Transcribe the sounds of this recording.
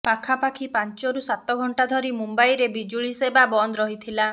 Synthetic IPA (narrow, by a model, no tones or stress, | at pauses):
pakʰapakʰipant͡ʃɔɾusat̪ɔɡʱɔɳʈad̪ʱɔɾimumbaijɾebid͡ʒuɭisebabɔnd̪ɾɔɦit̪ʰila